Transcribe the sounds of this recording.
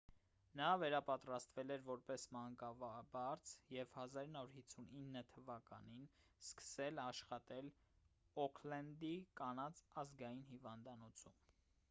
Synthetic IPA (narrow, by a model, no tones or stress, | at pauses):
nɑvɛɾɑpɑt̪ɾɑst̪vɛlɛɾvɔɾpɛsmɑŋkɑvɑbɑɾt͡sʰjɛvhɑzɑɾinːɑuɾhit͡sʰːuninːət̪ʰəvɑkɑ̰ninskə̥sɛlɑʃχɑt̪ɛlɔkʰlɛnd̪ikɑnɑt͡sɑzɡɑjinhivɑnd̪ɑnɔt͡sʰum